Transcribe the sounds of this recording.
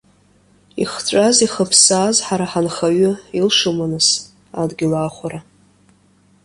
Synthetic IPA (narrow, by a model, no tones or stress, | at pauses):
ḭχt͡ʃʷʼaziχəpʰsaːzħaɾaħanχaɥʊilʂumanɨs | adɡʲɪlaːχʷaɾa